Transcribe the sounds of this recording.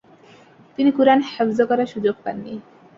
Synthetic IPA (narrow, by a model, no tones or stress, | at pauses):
t̪inikuɾanhafzokɔɾaʃud͡ʑoɡ̚pa̰nːi